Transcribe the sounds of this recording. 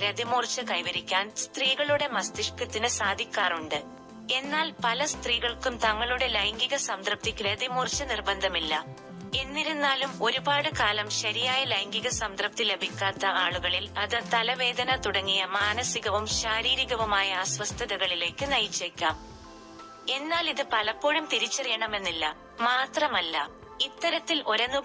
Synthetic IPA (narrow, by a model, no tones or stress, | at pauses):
ɾed̪imuːrt͡ɕːɐkɐjʋɐɾikʲːaːnst̪riːɣɐɭuɽe̞mɐst̪iʂkɐt̪ːinɨsaːd̪ʱikʲːaːruɳɖɨ | e̞nːaːlpɐlɐst̪riːɣɐɭkumt̪ɐŋːɐɭuɽe̞lɐjŋɡiɣɐsɐmd̪rɐp̚t̪ikɾed̪imuːrt͡ɕːɐnirbɐnd̪ʱɐmilːɐ | e̞nːiɾunːaːlumo̞ɾubaːɽɨkaːlɐmɕɐɾijaːjɐlɐjŋɡiɣɐsɐmd̪rɐp̚t̪ile̞bʱikʲːaːt̪ːɐʔaːɭuɣɐɭilɐðɨt̪ɐlɐʋe̞ːd̪ɐnɐt̪uɽɐŋːijɐmaːnɐsiɣɐʋumɕaːɾiːɾiɣɐʋumaːjɐaːsʋɐst̪ʰɐðɐɣɐɭile̞ːkːɨnɐjt͡ɕːekʲːaːm | e̞nːaːliðɨpɐlɐpːo̞ːɻumt̪iɾit͡ɕːɐrijɐɳɐme̞nːilːɐ | maːt̪rɐmɐlːɐ̰ | it̪ːɐɾɐt̪ːilʔo̞ɾɐnːu